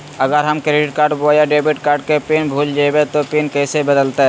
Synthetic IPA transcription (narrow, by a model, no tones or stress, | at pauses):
əɡəɾɦəmkɾeɖɪʈkaːɾɖboːjaɖeːbiʈkaːɾɖ̚kepinbʱuld͡ʒabet̪opinkɛːsebəd̪əlt̪e